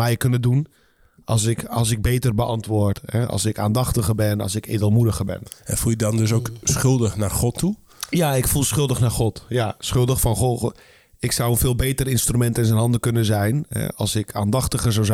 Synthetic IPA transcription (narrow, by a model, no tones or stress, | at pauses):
mɛjkønədun | ʔɑlˠs̬ɪkɑlˠs̬ɪɡ̚beːtərbəʔɑntʋʊːrthɛɑ̰lˠsɪka̰ːndɑxtəɣərbɛnɔ̰lˠsɪkḛːdəlˠmudəɣərbɛ̰nɛnfulˠjədɔndøs̬owksχʏlˠdəxnarχɔtʰːu | jaɪkfulˠsχʏlˠdəxnarχɔtjasχʏlˠdəxfɔnxo | ɪksawənfɪːlˠbeːtərɪnstrymɛntɪnsɛnɦɑndəkønəzɛjnhɛ̰ɑ̰lˠsɪkʰaːndɑxtəɣərzawz